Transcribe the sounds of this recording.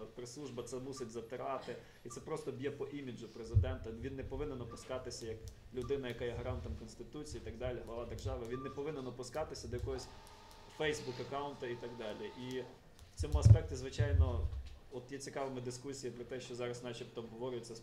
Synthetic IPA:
pɾeslˠuʒbɐt̪sɛmusɪtʲzɐt̪ɪɾɑt̪ɪ | it̪sɛpɾɔst̪ɔbʲjɛpɔʔimʲid͡ʒʊpɾezɪd̪ɛnt̪ɐʋʲinːepɔʋɪnɛnɔpʊskɑt̪ɪsʲɐjɐk | lʲʊd̪ɪnɐjɐkajɛɦɐɾɑnt̪ɐmkɔnsʲt̪ɪt̪ut͡sʲijiit̪ɐɡ̚d̪ɑlʲiɦlˠɐʋɑd̪erʒɑʋɪʋʲinːepɔʋɪnɛnɔpʊskɑt̪ɪsʲɐd̪ɔjɐkɔɦɔsʲ | fɛjsbukɐkɑʊnt̪ɐit̪ɐɡd̪ɑlʲiʔi | w̥t͡sʲɔmʊɐspɛk̚tʲizʋɪt͡ʃɑjnɔɔt̪jɛt͡sʲikɑʋɐmɪd̪ɪskusʲijipɾɔt̪ɛʃt͡ʃɔzɑɾɐsnɑt͡ʃipt̪ɔːbɦɔʋɔɾʲʊjɪt͡sʲːɐs

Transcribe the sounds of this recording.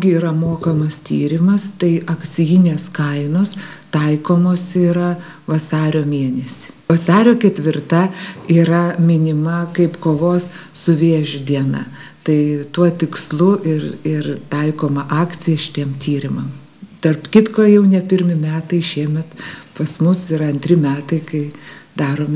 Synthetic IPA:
ɡʲɪiːɾɐmoːkɐmɐst̪ʲḭːɾʲɪmɐst̪ɐɪʔɐkt͡s̪ʲɪjɪnʲeːskɐɪnoːst̪ɐɪkoːmoːsiːɾɐ | ʋɐsɑːɾʲoːmʲeɛnʲɛsʲɪ̥ʋɐsɑːɾʲoːkʲɛt̪ʲʋʲɪrt̪ɐiːɾɐmʲɪnʲɪmɐkɐɪpkoːʋoːssʊʋʲeːʒʲʊd̪ʲiɛnɐ̰t̪ɐɪt̪uɔt̪ʲɪkslˠʊʔɪrɪrt̪ɐɪkoːmɐʔɑːk̪t͡sʲɪjɛʃʲɪ̥t̪ʲiɛmt̪ʲʰiːɾʲɪmɐm | t̪ɐrpkʲɪt̪koːjɛʊnʲɛpʲɪɾʲmʲɪmʲæːt̪ɐɪʃʲiɛmʲɛt̪pɐsmʊsɪɾɐnʲt̪ʲɾʲɪmʲæːt̪ɐɪkɐɪd̪ɑːɾoːmʲ

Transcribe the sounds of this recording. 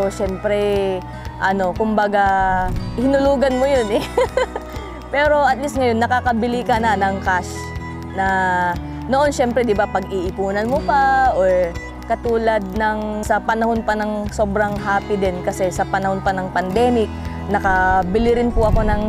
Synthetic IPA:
oʃɛmpɾɛ | ʔɐno̞kʊmbɐɡa | hɪnʊluːɡɐnmojonɛ | pɛːɾo̞ʔɐt̪̚list̪̚ŋɐjo̞nːɐkakɐbɪlɪkɐnɐnɐŋkaʃ | nɐ | noʔo̞nʃɛmpɾɛd̪ɪbapɐɡiʔɪpuːnɐnmopaʔoɹ | kɐt̪uːlɐd̪̚nɐŋsɐpɐnɐho̞npɐnɐŋso̞ːbɾɐŋɦaːpɪd̪ɛnkɐsɛsɐpɐnɐho̞npɐnɐŋpɐnd̪ɛːmɪk̚ | nɐkɐbɪlɪɾɪnpʊʔɐko̞nɐŋ

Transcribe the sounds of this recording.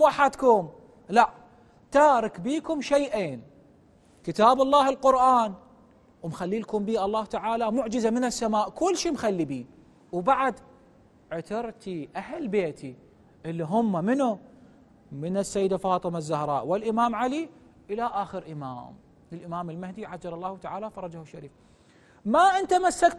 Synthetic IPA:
waħad̪kʊm | laʔ | t̪aːɾˤɑkbiːkʊmʃajʔeːn | kɪt̪aːbɑlˤːɑːhɪlqʊɾʔaːn | wmxalːiːlkʊmbiːʔɑlˤːɑːht̪aʕaːlamʊʕd͡ʒɪzamɪnɪsːamaːʔkʊlːʃiːmxalːibiː | wbaʕad̪ | ʕʊt̪ɑɾt̪iʔahlbeːt̪ʰi | ʔɪlːiɦʊmːamɪnu | mɪnɪsːajːɪd̪afɑːt̪ˤɨmazːahɾˤɑ̰ːʔwɪlʔɪmaːmʕaliʔɪlaʔaːxɪɾʔɪma̰ːm | ɪlʔɪmaːmɪlmahd̪iʕad͡ʒɑlɑlˤːɑːht̪aʕaːlafɑɾˤɑd͡ʒahuʃaɾiːf | maʔɪnt̪amasːak̚t̪

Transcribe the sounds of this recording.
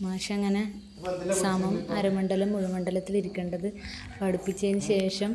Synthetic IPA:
maːʂɐɐŋːɐne | samɐmɐɾɐmɐɳɖɐlɐmːuɻɐmɐɳɖɐlɐt̪ːiliɾukʲːeːɳɖɐðɨ | pɐɽupːit͡ɕːɐjnːɨɕe̞ːʂɐm

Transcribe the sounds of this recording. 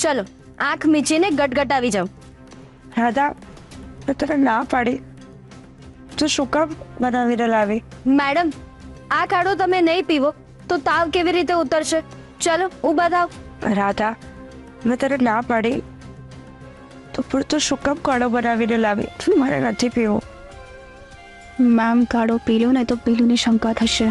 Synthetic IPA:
t͡ʃalo | ãkʰmit͡ʃineɡəʈɡəʈaʋid͡ʒaũ | ɾad̪a | mɛ̃t̪ənenapaɽi | t̪ũʃʊkəmbənaʋinelaʋimɛɽəmakaɽot̪əmenəĩpiʋo | t̪ot̪aʋkeʋiɾit̪̬eut̪əɾʃe | t͡ʃaloɦũbət̪aũɾad̪ʱa | əmɛt̪ənenapaɽi | t̪opəɾt̪uʃʊkəmkaɽobənaʋinɛlaʋḭt̪oməɾḛnət̪ʰipiʋo | mamkaɽopilonəĩt̪opiluneʃəmkat̪ʰəʃe

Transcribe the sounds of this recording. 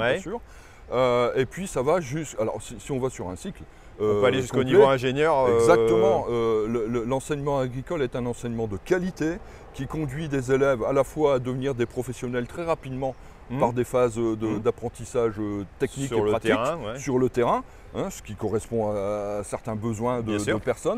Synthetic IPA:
jɛsyːʁ | øepɥisavaʒyskalɔ̰ʁsisiɔ̃vasyʁɛ̃sikl | øɔ̃øaleʒskonivoɛ̃ʒeɲjœʁɛɡzak̚t̪əmɑ̃ølələlɑ̃sɛɲmɑ̃aɡʁikɔlɛt̪ɛ̃nɑ̃sɛɲmɑ̃d̪əkalit̪e | kʲikɔ̃d̪ɥid̪ezelɛva̰lafwaːd̪əvniʁd̪epχɔfɛsjɔnɛlt̪χɛʁapid̪mɑ̃ | paʁd̪efazød̪əd̪apχɑ̃t̪isaʒøt̪ɛknikʁlət̪ʁɛ̃wɛsyʁlət̪eʁɛ̃ | ɛ̃sə̥kʲikɔʁɛspɔ̃asɛʁt̪ɛ̃bəzwɛ̃d̪əɛ̃d̪əpɛʁsɔn

